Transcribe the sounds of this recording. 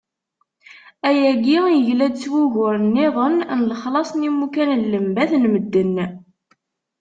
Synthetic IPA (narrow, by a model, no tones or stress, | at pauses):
æjæɡijəʝlæd̪̚t͡sːwuʝʊɾnːiʁˤənnələχlɑsˤnimukænnləmbæθnməd̪ːənː